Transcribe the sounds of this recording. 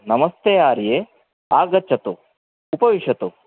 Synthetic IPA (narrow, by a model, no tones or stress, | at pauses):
nɐmɐst̪ejaːɾje | aːɡɐt͡ʃɐt̪uː | pɐʋiʃɐt̪u